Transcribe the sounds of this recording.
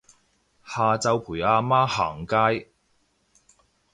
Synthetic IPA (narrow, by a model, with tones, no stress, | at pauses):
haː˨˧t͡sɐ˧wpʰuː˨˩jaː˧maː˥ha̰ː˨˩ŋkaː˥j